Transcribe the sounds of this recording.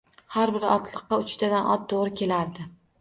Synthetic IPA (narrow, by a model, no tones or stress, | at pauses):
haɾbɪɾɒ̰t̪ʰlˠɨqːɑʊt͡ʃt̪ʰad̪anʔɒt̪ʰːoʁɾɪkʲʰe̞laɾd̪ɪ